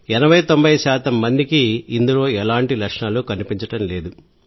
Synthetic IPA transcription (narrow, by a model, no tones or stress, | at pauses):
ɛnɐʋɐjt̪o̞mbʱɐjʃaːt̪ɐmːɐnd̪ikiːnd̪ulo̞ːɛlaːɳʈilɐkʂɳaːlukɐnipiɲt͡ʃɐʈɐmle̞ːd̪u